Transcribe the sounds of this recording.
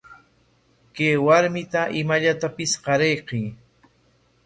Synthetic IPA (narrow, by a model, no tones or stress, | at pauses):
keːwaɾmɪt̪aʔɪmaʎat̪apɪsqɑɾejqiː